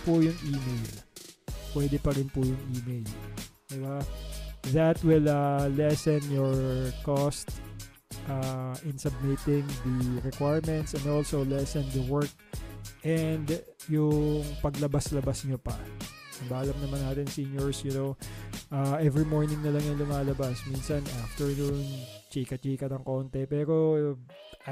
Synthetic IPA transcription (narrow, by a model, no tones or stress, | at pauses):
pʊjʊŋʔiːmejl | pwɛd̪ɛpɐɾɪnpʊjʊŋʔiːmejld̪ɪba | ðɐt̪wɪlɐlɛsɛnjɔɹkost̪ | ʔaʔɪnsɐb̚mɪt̪ɪŋd̪ɐɹɛkwajɹmɛ̃nt̪sɛ̃nd̪olsolɛsɛnd̪ɐwɛɹk̚ʔɛnd̪jʊŋpɐɡlɐbaslɐbasɲopɐ̰ɐbaːʔɐlɐmnɐmɐnaːt̪ɪnsinjɔɹsjʊnowʔaʔɛvɹimɔɹnɪ̃ŋnɐlɐŋjʊŋlʊmaːlɐbasminsɐnʔaft̪ɛɹnũnt͡ʃiːkɐt͡ʃiːkɐt̪ɐŋko̞nt̪ɛpɛːɾo